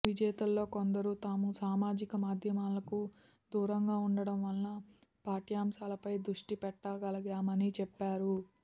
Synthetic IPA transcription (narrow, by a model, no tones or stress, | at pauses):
ʋid͡ʒɛːt̪ɐlːo̞ːkond̪ɐɾut̪aːmusaːmaːd͡ʒikɐmaːd̪ʱjɐmaːlɐku | d̪uːɾɐŋɡaːuɳɖɐɽɐmʋɐlnɐpaːʈijaːmʃaːlɐpɐjd̪ɾuʂʈipɛʈːaːɡɐlɐɡaːmɐnit͡ʃɛpːaːɾu